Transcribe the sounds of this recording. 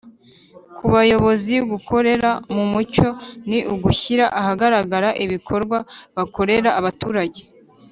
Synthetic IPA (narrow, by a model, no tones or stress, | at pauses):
kuβajo̞βo̞ziɡuko̞ɾe̞ɾamumuco̞niʔuɡuçiɾaʔahaɡaɾaɡaɾaʔiβikʰo̞ɾɡwaβako̞ɾe̞ɾaːβatuːɾaɟe̥